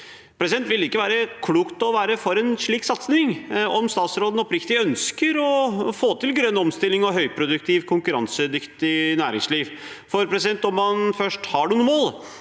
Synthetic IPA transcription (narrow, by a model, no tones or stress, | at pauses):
pʰɾɛsɪd̪ɛnt̪ʋɪlːɪkːəʋæːɾəkʰluːkt̪ɔʋæːɾəfɔɾɛnʂɭiːksɑt̪snɪŋɔmst̪ɑːt̪sɾoːd̪n̩ɔpɾɪkt̪ɪœnskəɾɔfoːt̪ɪlɡɾœnːɔmst̪ɪlːɪŋɔɦœʏpʰɾʊd̪ʉkt̪ʰɪʋkʰʊŋkʉɾɑ̰nsəd̪ʏkt̪ɪnæːɾɪ̰ŋsliːʋ | fɔɾpʰɾɛsɪd̪ɛnt̪ɔmːɑnfœʂʈhɑɖʉnuːmoːl